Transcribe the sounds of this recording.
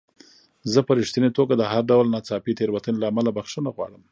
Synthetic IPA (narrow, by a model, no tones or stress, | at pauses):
zəpəɾiʂt̪inet̪oɡad̪əɦaɾɖawlnɑt͡sɑpit̪eɾwat̪ənelaːmalabaxʂənaɣwɑ̰ɽəm